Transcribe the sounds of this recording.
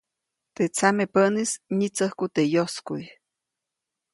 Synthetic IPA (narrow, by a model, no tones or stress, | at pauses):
t̪et͡samepənisɲit͡səhkut̪ejoskuj